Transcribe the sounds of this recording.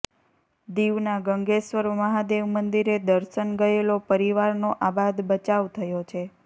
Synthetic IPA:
d̪iʋnaɡəŋɡeʃʋəɾməɦad̪eʋmənd̪iɾed̪əɾʃənɡəelopəɾiʋaɾnoʔabad̪bət͡ʃaʋt̪ʰəjot͡ʃʰe

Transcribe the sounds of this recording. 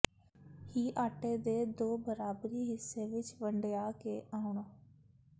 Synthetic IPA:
hiːʔaːʈeːd̪eːd̪oːbəɾaːbɾiːɦɪsːeːʋɪt͡ʃʋəɳɖjaːkeːʔaːʊɳaː

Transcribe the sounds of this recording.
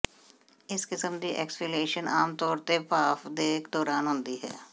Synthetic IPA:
ɪskɪsəmd̪iʔɛ̰ːkspɪleːʃənʔaːmt̪ɔːɾt̪epaːfd̪eːkd̪ɔːɾaːnɦʊ̃ːnd̪iɦɛ̰ː

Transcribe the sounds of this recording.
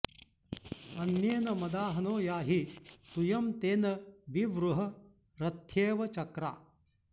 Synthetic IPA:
ɐnjeːnɐmɐd̪aːɦɐnoːjaːɦit̪ujɐmt̪eːnɐʋiʋɾuɦɐ | ɾɐt̪ʰjeːʋɐt͡ʃɐkɾa̰ː

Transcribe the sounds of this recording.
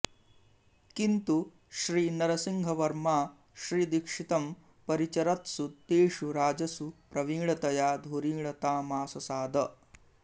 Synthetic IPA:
kint̪u | ʃɾiːnɐɾɐsiŋɡʱɐʋɐɾmaː | ʃɾiːd̪ikʂit̪ɐm | pɐɾit͡ʃɐɾɐt̪sut̪eːʂuɾaːd͡ʒɐsupɾɐʋiːɭɐt̪ɐjaːd̪ʱoɾiːɭɐt̪aːmaːsɐsaːd̪ʱɐ

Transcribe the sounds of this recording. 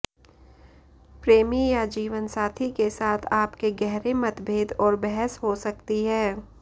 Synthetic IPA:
pɾeːmijad͡ʒiːʋənsaːt̪ʰikesaːt̪ʰaːpkeɡɛɦɾemɐt̪bʱeːd̪ɔːɾbɛɦəsɦosɐkt̪iɦɛː

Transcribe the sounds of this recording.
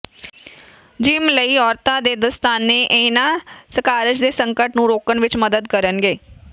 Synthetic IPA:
d͡ʒɪmləiːɔːɾt̪ãːd̪eːd̪əst̪aːnːeːʔenaːsəkaːɾəd͡ʒd̪eːsəŋkəʈnũːɾoːkənʋɪt͡ʃməd̪əd̪̚kəɾənɡeː

